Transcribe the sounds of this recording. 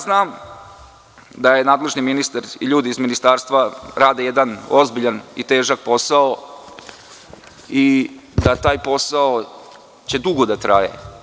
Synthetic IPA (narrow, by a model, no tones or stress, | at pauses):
znaːm | d̪ajenaːd̪le̞ʒniminist̪aɾḭʎuːd̪iːzminist̪aːɾst̪ʋaɾaːd̪ejed̪ano̞zbiʎanḭt̪e̞ːʒak̚po̞sao | id̪at̪aːjpo̞sao | t͡ɕe̞d̪uɡod̪at̪ɾajḛ